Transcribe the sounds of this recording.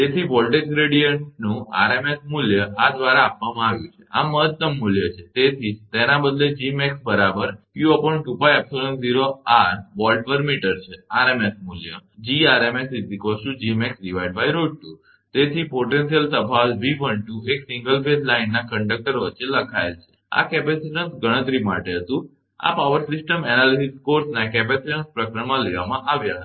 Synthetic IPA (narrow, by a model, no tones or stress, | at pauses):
t̪et̪ʰipɔlʈeksɡɾeɽijəɳʈnũa̰ɾemesmuljəad̪ʋaɾaːpʋamãaʋjũt͡ʃʰe̥aməɦət̪ːəmːuljət͡ʃʰet̪et̪ʰit̪enabəd̪led͡ʒimɛksbəɾabəɾkjuəpəɳʈupajɛpsolənsziɾoaɾʋɔlʈ̚pəɾmiʈəɾt͡ʃʰeaɾemesmuljəd͡ʒiaɾemesisikosʃũd͡ʒimɛksɖiʋaiɖ̚bajɾoɖ̚ʈu | t̪et̪ʰipoʈensijəlt̪əpʰasbiʋəɳʈueksĩŋɡəlbeslainːakəɳɖək̚ʈəɾʋətːʃeləkʰaelt͡ʃʰe̥ | a̰kɛpɛsiʈənsɡəɽ̃ə̃t̪ɾima̰ʈeɦət̪ũ | a̰paʋəɾsisʈəmɛnalisiskoɾsnakɛpɛsid͡ʒənspɾəkɾəɳmãleʋamãʔaʋjaɦ̪